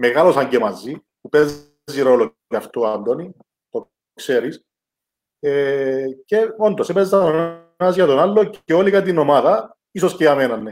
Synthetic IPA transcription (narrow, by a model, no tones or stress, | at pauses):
meɣalo̞sɐɲɟemɐzi | pupez | zːiɾo̞lo | ɐft̪oɐnd̪oni | t̪o | kseɾis | ece̞ond̪osepezɐone | ɐzʝɐt̪onɐlːoceolikɐt̪iino̞mɐðɐ | isosceɐmenɐnːe